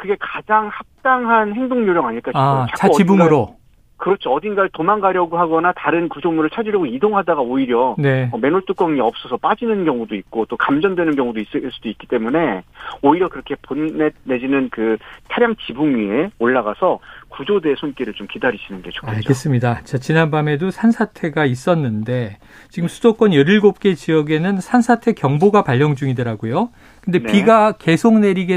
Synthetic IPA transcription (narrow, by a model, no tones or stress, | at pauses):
kɯɡe̞kad͡ʑaŋhap̚t͈aŋɦanɦe̞ŋdoŋɲoɾjʌŋaɲiɭk͈aɕit͡ɕakuʌiibuɡɾo | kɯɾʌt͡ɕʰiʌdinɡaɭtomanɡaɾjʌɡoɦaɡʌnataɾɯnkud͡ʑʰomuɾɯɭt͡ɕʰad͡ʑiɾjʌɡoidoŋɦadaɡaoiɾjʌneʌme̞noɭt͈uk͈ʌŋiʌp̚s͈ʌsʰʌp͈ad͡ʑinɯnɡjʌŋudoit̚k͈ot͈okamd͡ʑʌndwe̞nɯnkjʌŋudois͈ɯs͈udoik͈it͈e̞mune̞oiɾjʌkɯɾʌkʰe̞ponːene̞d͡ʑinɯnkɯtʰaɾjaŋt͡ɕibuŋɥie̞oɭːaɡasʰʌkud͡ʑodesʰonk͈iɾɯɭt͡ɕomkidaɾiɕʰinɯnɡe̞t͡ɕʰo̥kkʰaɡe̞s͈ɯmɲidat͡ɕat͡ɕinanbame̞dosʰansʰatʰe̞ɡais͈ʌnːɯnde̞ | t͡ɕiɡɯmsʰudok͈ʌnjʌɾiɭɡop̚k͈e̞t͡ɕiʌɡe̞nɯnsʰansʰatʰe̞kjʌŋboɡapaʎːʌŋd͡ʑuŋidɯɾaɡojo | kɯnde̞piɡake̞sʰoŋne̞ɾiɡe